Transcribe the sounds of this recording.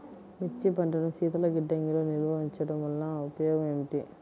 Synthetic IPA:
mit͡ʃːipɐɳʈɐnɐmsiːt̪ɐlɐɡiɖːɐŋɡiloːniɾʋɐɦiɲt͡ʃɐɽɐmʋɐlnɐupɐjɔːɡɐmemiʈi

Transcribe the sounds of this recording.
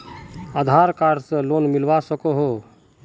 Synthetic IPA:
ad̪ʱaɾkaːɾseloːnmɪlʋasəkoɦo

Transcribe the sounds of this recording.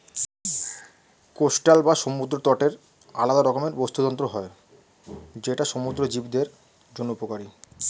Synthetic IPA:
kosʈalbaʃomud̪ɾot̪ɔʈeɾ | a̰lad̪aɾɔkomeɾbost̪ut̪ɔnt̪ɾoɦɔe | d͡ʑeʈaʃomud̪ɾod͡ʑibd̪eɾ | d͡ʑonːuupokaɾi

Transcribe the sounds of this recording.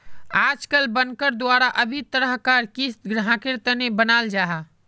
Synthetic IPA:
ad͡ʒkəlbənkəɾd̪waɾaʔəbʱit̪əɾəɦkaɾkisɡɾəɦãkiɾt̪ənebənald͡ʒaɦa

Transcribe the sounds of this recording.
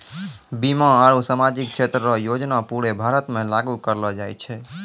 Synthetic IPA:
bimãaɾusamad͡ʒik̚t͡ʃʰet̪ɾəɾɔjod͡ʒnapuɽebʱaɾət̪mẽlaɡukəɾlɔd͡ʒajt͡ʃʰɛ

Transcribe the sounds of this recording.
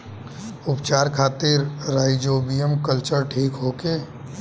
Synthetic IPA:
ʊpt͡ʃaːɾkʰaːt̪ɪɾɾːaːɪd͡ʒoːbijəmkəlt͡ʃəɾʈʰiːkɦoːkeː

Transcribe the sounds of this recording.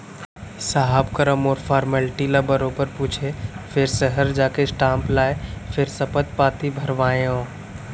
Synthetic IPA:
saɦabkəɾəmoːɾfʰaːɾməlʈiləbəɾopəɾpuːt͡ʃʰefʰɪɾsəɦəɾd͡ʒaːkesʈãːmplaːjfʰɪɾsəpət̪̚paːt̪ibʱəɾʋaːjõː

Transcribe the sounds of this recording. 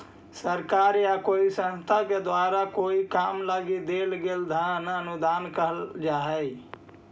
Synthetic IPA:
səɾkaːɾjakoːisə̃nst̪ʰaked̪waɾakoikaːmlaɡid̪elɡeld̪ʱãnəənud̪aːnkəɦəld͡ʒaɦɛ

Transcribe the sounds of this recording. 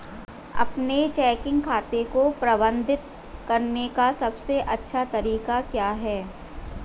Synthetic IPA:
ɐ̰pnet͡ʃɛːkɪ̃ŋɡkʰaːt̪ekopɾɐbə̃nd̪ʱɪt̪̚ | kɐɾnekasɐbseʔɐtːʃʰat̪ɐɾiːkakjaːɦɛː

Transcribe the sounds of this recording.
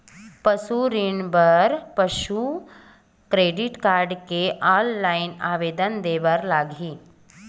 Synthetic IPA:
pɐsuɾinbəɾpɐʃu | kɾeːɖɪʈkaːɾɖkeʔaːlːaːɪnaːʋeːd̪ənd̪eːʋəɾlaːɡʱiː

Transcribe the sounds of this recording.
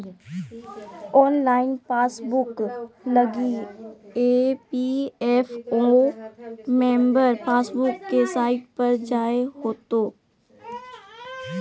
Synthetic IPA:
ɔːnlaːɪnpaːsbʊklɐɡi | eːpiɛfo | mẽːmbəɾpaːsbʊkːesaːɪʈ̚pɐɾd͡ʒaːeɦoːt̪oː

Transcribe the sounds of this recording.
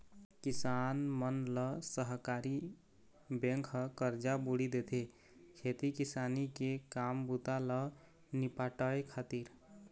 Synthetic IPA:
kisanmənlɔsəɦkaɾi | bẽŋkʰkəɾd͡ʒabuɽid̪et̪ʰe | kʰet̪ikisanikekambut̪alɔ | nipaʈəekʰat̪iɾ

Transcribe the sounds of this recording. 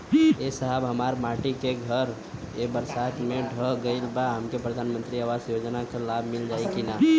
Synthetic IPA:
esəɦəbɦəmaɾmaʈikeɡʱəɾ | ebəɾsat̪mẽɖʱəɡəɪlbaɦəmkepɾəd̪ʱanmə̃nt̪ɾiaʋasjod͡ʒnakalabʱmɪld͡ʒaːikina

